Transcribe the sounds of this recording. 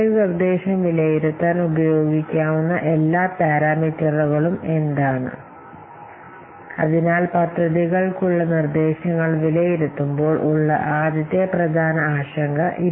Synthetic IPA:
nird̪e̞ːɕɐmʋilɐjiɾut̪ːaːnubɐjo̞ːɡikʲːaːʋunːɐʔe̞lːaːt̪aːɾaːmit͡ɕːɐruɣɐɭume̞nd̪aːɳɨ̰ | ɐ̰ðinaːlpɐt̪rɐðiɣɐɭkuɭːɐnird̪e̞ːɕɐŋːɐɭʋilɐjiɾut̪ːumbo̞ːɭʔuɭːɐ̰ʔaːd̪jɐt̪ːjɐprɐd̪ʱaːnɐaːɕɐŋɡʱɐʔi

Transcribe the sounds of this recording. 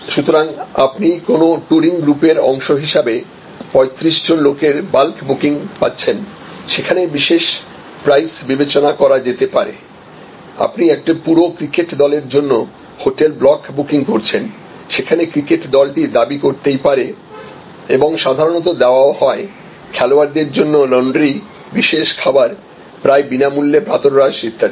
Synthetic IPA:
ʃut̪oɾaŋa̰pnikonoʈuɾiŋɡɾupeɾɔŋʃoɦiʃabe | pɔet̪ɾiʃd͡ʑonlokeɾbalkbukiŋpa̰tːɕʰen | ʃekʰanebiʃeʃ | pɾajsbibet͡ɕonakɔɾad͡ʑet̪epaɾḛ | a̰pniɛk̚ʈapuɾokɾikeʈd̪ɔleɾd͡ʑonːo | hoʈelblɔkbukiŋkoɾt͡ɕʰen | ʃekʰanekɾikeʈd̪ɔlʈid̪abikoɾt̪ejpaɾe | eboŋʃad̪ʱaɾonɔt̪̬od̪ɛoaohɔe | kʰɛloaɾd̪eɾd͡ʑonːolɔɳɖɾi | biʃeʃkʰabaɾ | pɾaebinamulːepɾat̪oɾɾaʃit̪ʰːaɾ

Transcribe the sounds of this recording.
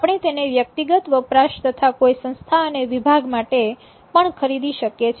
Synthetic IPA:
apɳ̃et̪eneʋjək̚t̪iɡət̪ʋəpɾaʃt̪ət̪ʰakoisə̃ñst̪ʰaəneʋibʱaɡmaʈe | pəɳkʰəɾid̪iʃəkjet͡ʃʰ

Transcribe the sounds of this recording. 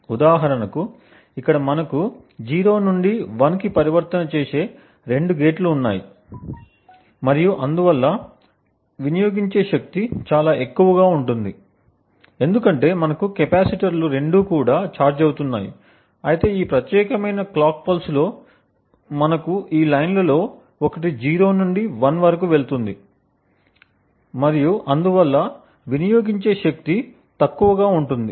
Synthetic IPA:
ud̪aːɦɐɾɐnɐku | ikːɐɽɐmɐnɐku | d͡ʒiːɾo̞ːnuɳɖiʋɐnkipɐɾiʋɐɾt̪ɐnɐt͡ʃe̞ːse̞ː | ɾe̞ɳɖuɡe̞ːʈluːnːa̰ːji | mɐɾijuʔɐnd̪uʋɐlːɐ | ʋinɐjo̞ːɡiɲt͡ʃe̞ːʃɐk̚t̪it͡ʃaːlaːe̞kːuʋɐɡaːuɳʈund̪i | e̞nd̪ukɐɳʈe̞ːmɐnɐkukɛpaːsiʈɐɾluɾe̞ɳɖuːkuːɽaːt͡ʃaːɾd͡ʒɐwut̪unːaːjḭ | ɐjit̪e̞ːiːpɾɐt̪jɛːkɐmɐjnɐklaːk̚pɐlslo̞ː | mɐnɐkuʔiːlɐjnlɐlo̞ː | ɔkɐʈ̬id͡ʒiːɾo̞ːnuɳɖiʋɐnʋɐɾɐk̬uʋe̞ɭt̪und̪i | mɐɾijuʔɐnd̪uʋɐlːɐ | ʋinijo̞ːɡiɲt͡ʃe̞ːʃɐk̚t̪i | t̪ɐkːuʋɐɡaːuɳʈund̪ḭ

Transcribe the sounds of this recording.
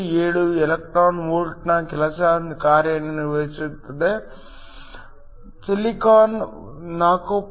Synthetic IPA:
eːɽuɛlɐk̚ʈɾaːnʋoːɾʈnɐkɛlɐsɐnd̪kaːɾjɐnɐniɾʋɐsut̪ːɐd̪e | t͡ʃelikaːn | naːkop

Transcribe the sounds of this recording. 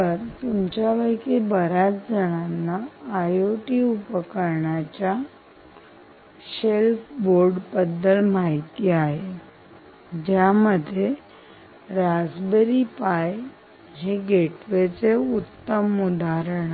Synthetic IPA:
əɾt̪umt͡ɕjaʋəjkebəɾat͡sd͡zəɽ̃anːaːjoʈiupəkəɾɳat͡ɕja | ɕelpboɾɖbəd̪ːəlmaɦjt̪iːaɦe | d͡ʑjaməd̪ʱːje | ɾad͡zbəɾiːpaj | ɦeɡʱeʈʋet͡seut̪ːəmud̪aɾəɽ̃

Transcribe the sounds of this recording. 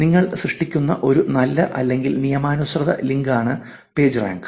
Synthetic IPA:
niŋːɐɭsrɨʂʈikʲːunːɐ̰ʔo̞ɾunɐlːɐʔɐ̰lːe̞ŋɡilnijɐmaːnusrɐðɐ̰liŋɡaːɳɨ | pe̞ːd͡ʑra̰ːŋɡɨ

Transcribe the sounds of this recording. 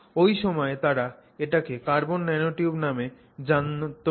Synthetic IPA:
ojʃɔmɔet̪aɾaeʈakekaɾbonːɛnoʈiubname | d͡ʑant̪o

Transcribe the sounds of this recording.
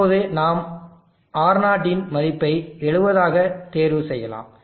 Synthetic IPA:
oːðɯnaːm | aːɾnaːʈːɪnmɐðɪpːɐɪɛɻɯʋɐðaːɣɐt̪eːɾʋɯsɛjːɐla̰ːm

